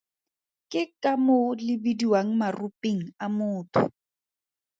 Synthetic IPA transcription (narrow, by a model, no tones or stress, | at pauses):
kʼɪkʼamolɪbidiwaŋ̩marʊpʼeŋ̩amʊːtʰʊ̰